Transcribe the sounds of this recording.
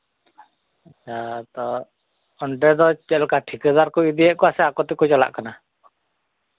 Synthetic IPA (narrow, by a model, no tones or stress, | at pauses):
at͡ʃat̪ɔ | ɔɳɖɛd̪ɔt͡ʃɛlkaʈʰikəd̪aɾkɔid̪iɛʔkɔasɛakɔt̪ɛkɔd͡ʒɔla̰ʔkana